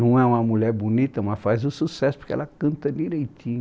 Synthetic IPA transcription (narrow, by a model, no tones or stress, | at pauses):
nɐ̃w̃ɛũmɐmuʎɛɾbunit̪ɐmɐsfazʊsusɛsʊpʊɾkɪɛ̰lɐkɐ̃nt̪ɐd̪iɾejt̪ĩɲ